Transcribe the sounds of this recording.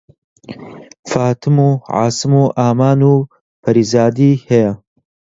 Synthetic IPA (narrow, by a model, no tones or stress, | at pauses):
faːt̪ʰɨmuːʕa̰ːsɨmuːʔaːmaːnuː | pʰɐɾizaːd̪iːhɛjɐ